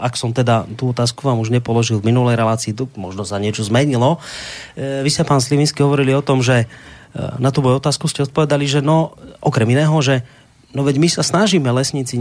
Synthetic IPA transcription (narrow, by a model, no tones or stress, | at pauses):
ʔaksɔmt̪ɛd̪at̪uːɔt̪aːskuʋaːmuʒɲɛpɔlɔʒilˠvminulɛjɾɛlaːt͡siːt̪ɔmɔʒnɔsaɲɪɛt͡ʃɔzmɛɲilɔ | ʋiscɛpaːnsliʋinskiɦɔʋɔɾiliɔt̪ɔmʒɛ | nat̪uːbɔjɔt̪aːskuscɛɔt̪̚pɔʋɛd̪aliʒɛnɔʔɔkɾɛminɛːɦɔʒɛ | nɔʋɛɟmisasnaʒiːmɛlɛsɲiːt͡si